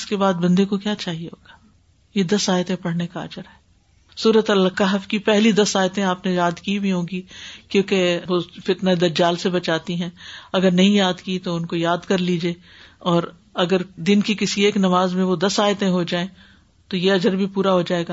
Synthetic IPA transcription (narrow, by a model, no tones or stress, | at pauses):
skebaːd̪̚bɐ̃nd̪ekokjaːt͡ʃaːɦieɦoːɡaː | jed̪ɐsaːjt̪ẽpɐɽ̤nekaɐ̰d͡ʒəɾɦɛː | suːɾət̪ɐlkaɦɐfkipɛɦlid̪ɐsaːjt̪ẽaːpnejaːd̪kibʱiɦõːɡikjõːkeʋofɪt̪nad̪ɐɾd͡ʒaːlsebɐt͡ʃaːt̪iɦɛ̃ːɐɡəɾnɐɦĩjaːd̪kit̪oʊnkojaːd̪kɐɾliːd͡ʒeː | ɔːɾ | ɐɡəɾd̪ɪnkikɪsieːknɐmaːzmẽʋod̪ɐsaːjt̪ẽɦod͡ʒaːẽ | t̪ojeɐd͡ʒəɾbʱipuːɾaɦod͡ʒaːeːɡaː